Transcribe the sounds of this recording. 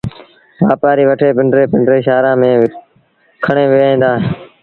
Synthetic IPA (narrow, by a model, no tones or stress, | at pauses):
ʋaːpaːɾiːʋəʈʰeːpɪɳɖɾeːpɪɳɖɾeːʃaːɾãːmẽː | kʰəɳeːʋeːĩːnd̪aːɦeː